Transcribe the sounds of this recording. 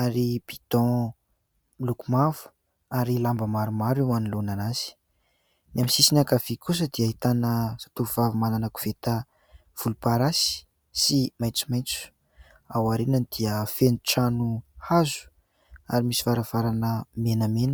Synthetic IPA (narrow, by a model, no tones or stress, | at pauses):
aɾib̥it̪ɔ̃ | milukumavu̥ | aɾilambəmaɾumaɾewanilonanaz̥i̥ | namisisinakavikus̬əd̪iaɦit̪anəsḁt̪uuvavumananaku̥v̥et̪ə | v̥ulupaɾasi̥ | simajt͡su̥majt͡su̥ | awaɾenanid̪̥iəfeniʈ͡ʂanuhazu̥ | a̰ɾimisi̥vaɾavaɾanəmenəmenə